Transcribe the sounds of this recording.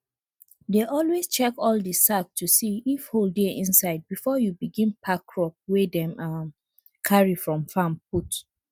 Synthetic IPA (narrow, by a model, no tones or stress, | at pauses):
deʔɔlwest͡ʃɛkɔldəsak̚tʰusiifholdɛʔĩnsaɪd̚bifɔjubiɡĩnpʰakʰːɹɔp̚wɛdɛ̃mam | kʰaɹifɹɔ̃mfãmput